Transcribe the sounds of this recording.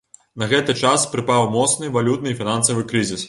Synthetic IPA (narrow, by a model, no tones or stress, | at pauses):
nɐɣɛt̪ɨt͡ʂaspɾɨpawmɔt̪snɨvalʲut̪̚nɨfʲinansɐvɨkɾɨzʲis